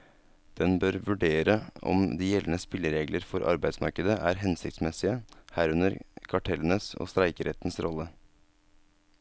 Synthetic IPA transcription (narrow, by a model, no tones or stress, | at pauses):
d̪̥ɛnbøɾʋʉɖeːɾəɔ̰md̪iːjɛlːən̩əspɪlːəɾeːɡləɾfɔɾʔɑ̰ɾbæɪd̪smɑ̰ɾkəd̪əʔæːɾɦɛnsɪçt̪smɛsɪəhæːɾʉnəɾkʰɑʈʰɛlːənəso̰st̪ɾæɪkəɾɛt̪nsɾɔlə